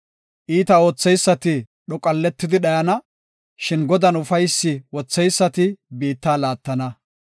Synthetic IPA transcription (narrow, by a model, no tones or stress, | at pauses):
ʔiːt̪ɐo̞ːt͡sːɛjsːɐt̪ɪ | ɗɔkʼɐlːɛt̪ːɪd̪ɪɗɐjɐnɐ | ʃɪnɡɔd̪ɐnʊfɐjsːɪwɔt͡sːɛjsːɐt̪ɪbiːt̪ːaːlaːt̪ːɐnɐ